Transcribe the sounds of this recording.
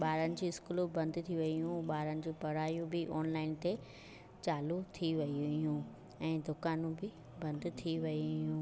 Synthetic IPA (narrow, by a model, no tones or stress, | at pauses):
ɓaːɾənɪ̆d͡ʑiːɪskuːlobɐ̃nd̪t̪ʰiʋɐijũɓaːɾənɪ̆d͡ʑuːpɐɽ̤aːjũbɪʔɔːnlaːɪnt̪e | t͡ɕaːlut̪ʰiʋɐiijũ | ɛ̃ːd̪ʊkaːnũbɪ | bɐ̃nd̪t̪ʰiʋɐijũː